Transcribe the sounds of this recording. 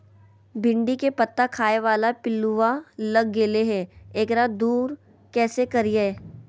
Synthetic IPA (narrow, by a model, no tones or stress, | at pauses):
bʱɪ̃ɳɖikepɐt̪ːakʰaːeʋaːlapɪlːuʋalɐɡːeːleɦɛ̃ːeːkɾaːd̪uːɾ | kɛːsekɐɾijeː